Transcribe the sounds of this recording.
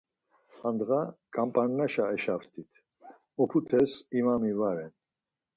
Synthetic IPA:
and̪ɣakʼampʼanːaʃaɛʃaft̪ʰit̪ʰ | ɔpʰut̪ʰɛsimamivaɾɛn

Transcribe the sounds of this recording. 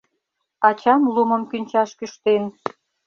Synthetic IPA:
ɑt͡ɕɑmlumə̆mkynʲt͡ɕɑʃkyʃt̪en

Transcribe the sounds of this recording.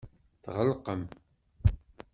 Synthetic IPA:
θʁəlqəm

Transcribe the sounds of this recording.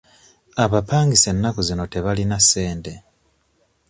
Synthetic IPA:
aβapaːŋɡise̞nːakuzino̞te̞βalinasːe̞ːnte̞

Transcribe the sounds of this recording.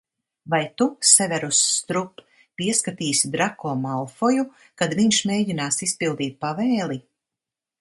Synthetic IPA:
vajt̪usɛvʲɛɾusːt̪ɾup | piɛskat̪iːsʲid̪ɾakɔːmalˠfɔju | kad̪viɲʃmʲeːɟinaːsispilˠd̪iːt̪̚pavɛːlˠi

